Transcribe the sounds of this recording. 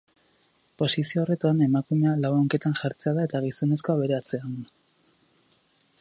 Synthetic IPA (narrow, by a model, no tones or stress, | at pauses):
po̞sisio̞ːre̞t̪ane̞makume̞alawoŋke̞t̪anʝaɾt͡seaðae̞t̪aɣiso̞ne̞sko̞aβ̞e̞ɾe̞at͡se̞an